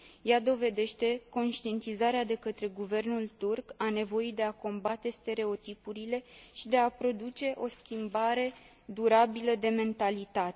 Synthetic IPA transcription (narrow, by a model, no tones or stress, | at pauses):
jad̪o̞ve̞d̪e̞ʃt̪e̞ko̞nʃt̪ie̞nt̪izaɾead̪e̞kət̪ɾe̞ɡuve̞rnult̪urkane̞vo̞jid̪e̞ako̞mbat̪e̞st̪e̞ɾe̞o̞t̪ipuɾile̞ʃid̪e̞apɾo̞d̪ut͡ʃe̞ʔo̞skʲimbaɾe̞ | d̪uɾabiləd̪e̞me̞nt̪alit̪at̪e